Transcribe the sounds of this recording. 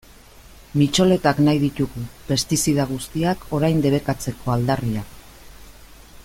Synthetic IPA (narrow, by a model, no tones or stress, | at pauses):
mit͡ʃo̞le̞t̪aknajðit̪uɣupe̞st̪isið̞aɣ̞ust̪iakʰo̞ɾajnd̪e̞βe̞kat͡se̞kʰo̞ald̪ariak